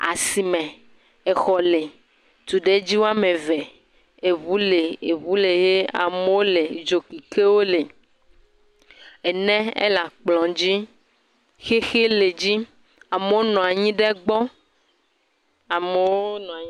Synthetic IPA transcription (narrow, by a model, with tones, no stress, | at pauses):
a̰˨si˨mɛ̃˨ | ɛ˨xɔ˨le˨ | t̪u˨ɖe˦d͡ʑi˦wo˦a˦mẽ˨vɛ˨ | e˨βu˨˦le˨e˨βu˦le˨je˦a̰˨me˦wo˦le˨d͡ʒo˨ki˨ke˦wo˦le˨ | e˨nɛ̃˦ḛ˦la˨k͡plɔ̃˨d͡ʑi˦ | xe˦xe˦le˨d͡ʑi˦ | a˨me˨˦wo˦nɔ̃˨a˨ɲĩ˦ɖɛ˦ɡ͡bɔ˦ | a˨me˨˦wo˦o˦nɔ̃˨